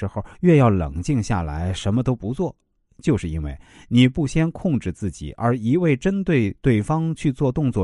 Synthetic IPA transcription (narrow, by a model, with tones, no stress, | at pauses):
ɻ̩˧˥xo˥˧˩ʊɥɛ˥˧jɑ˥˩ʊlɤ̰˨˩ŋt͡ɕi˥˧ŋɕja̰˥˩la̰˧˥ɪʂə˧˥nmə˧t̪o˥ʊpu˧˥t͡swɔ˥˩ | t͡ɕjo˥˧ʊʂɻ̩˥˩i˥nwe˥˩ɪni˨˩pu˥˩ɕjɛ˥nkʰʊ˥˧ŋʈ͡ʂɻ̩˥˧t͡sɹ̩˥˩t͡ɕḭ˨˩˦ə˞˧˥i˧˥we˥˩ɪʈ͡ʂə˥nt̪we˥˧ɪt̪we˥˩ɪfɑ˥ŋt͡ɕʰy˥˧t͡swɔ˥˧t̪ʊ˥˧ŋt͡swɔ˥˩